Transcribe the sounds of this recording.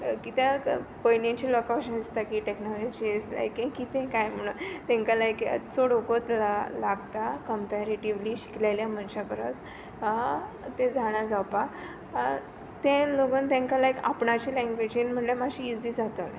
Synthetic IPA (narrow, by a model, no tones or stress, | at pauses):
kit̪ẽpəjnẽt͡ɕiːlokawɕənst̪akiʈeknɔlɔd͡ʑid͡zla̰jkẽkit̪ẽkajm̤əɽ̃uːnt̪ẽŋkalajkḛt͡soɽokot̪lalaɡt̪akəmpeɾeʈiʋliːɕi̥klajljamənɕapəɾət͡s | t̪ed͡zʱaɽ̃ad͡zawpa | t̪ẽloɡəːnt̪ãŋkalajka̰pɳat͡ɕilɛ̃ŋɡʋed͡ʑĩnm̤əɳlemaɕiid͡ziːd͡zat̪əl